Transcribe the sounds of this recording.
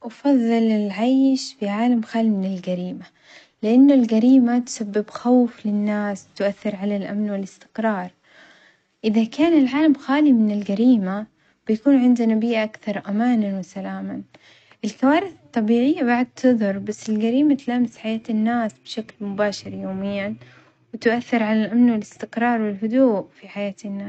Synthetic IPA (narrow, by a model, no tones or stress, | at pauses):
ʔɑfɑðˤːɨlɪlʕajʃfɪʕaːlamxaːlimɪnɪlɡaɾiːma | lɪʔanːʊlɡaɾiːmat̪ʊ̥sabːɪbxawflɪnːaːswt̪ʊʔaθːɪɾʕalalʔa̰mnwɪlɪst̪ɪ̥qɾɑːɾˤ | ʔɪðakaːnɪlʕaːlamxaːlimɪnɪlɡaɾiːma | b̥ɪjakuːnʕɪnd̪anabiːʔaʔakθɑɾˤʔamaːnanwɪsalaːma | ʔɪlkawaːɾɪθɪt̪ˤːɑbiːʕɪjːabaʕd̪̚t̪ʰɨðˤʊɾˤbasːɪlɡaɾiːmat̪laːmɪsħajaːt̪ɪnːaːsbɪʃaklmʊbaːʃɪɾjoːmɪjːan | wɪt̪ʊʔaθːɪɾʕalalʔamnwɪlɪst̪ɪqɾˤɑːɾˤwɪlɦʊd̪uːʔfiħajaːt̪ɪnːaːs